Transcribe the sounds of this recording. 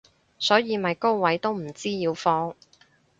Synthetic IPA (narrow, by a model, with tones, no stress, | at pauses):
sɔː˨˥jiː˨˧mɐ˨jko˥wwɐ˨˥jt̪o˥wm̩˨˩t͡siː˥jiː˨˧wfɔː˧˥ŋ